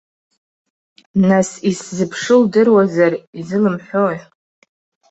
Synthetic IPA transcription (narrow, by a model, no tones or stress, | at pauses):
nasiszɨpʰʂɨldɨrwazarizɨlɨmħʷoj